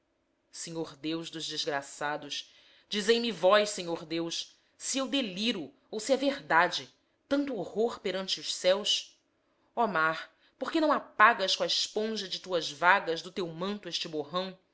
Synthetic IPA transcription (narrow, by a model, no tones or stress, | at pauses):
sẽɲoɾd̪ewzd̪ʊzd͡ʒɪzɡɾasad̪ʊʃ | d͡ʒizejmivɔjʃsẽɲoɾd̪ewʃ | siewd̪eliɾʊ | owsiɐveɾd̪ad͡ʒɪ | t̪ɐ̃nt̪uohoɾpeɾɐ̃nt͡ʃɪʊʃsɛws | ɔmaɾ | poɾkenɐ̃w̃apaɡɐskõɐɪʃpõʒɐd͡ʒɪt̪uɐzvaɡɐzd̪ʊt̪ewmɐ̃nt̪ʊeʃt͡ʃɪboɦɐ̃w̃